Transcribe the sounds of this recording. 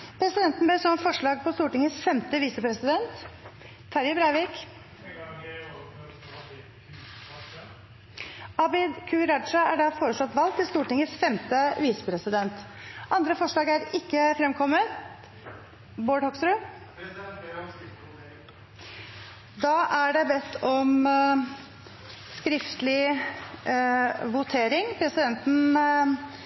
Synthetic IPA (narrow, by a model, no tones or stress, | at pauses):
pʰɾɛsɪd̪ɛnt̪nbeːsɔmfɔʂɭɑːɡ̚pʰɔst̪uːʈɪŋːəsfɛmt̪əʋiːsəpʰɾɛsɪd̪ɛnt̪ʰː | ɑɾjəbɾæɪʋɪːk | ɑbɪd̪kʰʉɾɑd̪ʂəæɖɑfoːɾəsɑt̪ʋɑlk̚t̪ɪlst̪uːʈɪŋəsfɛmt̪əʋiːsə̥pʰɾɛsɪd̪ɛnt̪ʔɑnd̪ɾəfɔʂɭɑːɡæɾɪkːəfɾɛmkʰɔmət̪ | boːɖhɔksɾʉ | d̪ɑːʔæɖɛbɛt̪ːɔm | skɾɪft̪lɪ | ʋʊt̪ʰeːɾɪŋpʰɾɛsɪd̪ɛnt̪n̩